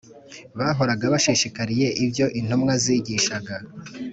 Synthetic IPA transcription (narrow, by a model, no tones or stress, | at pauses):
βaːɦo̞ɾaɡaβaʃiʃikaɾije̞ʔivjo̞ʔin̥homŋaziːɟiːʃaɡa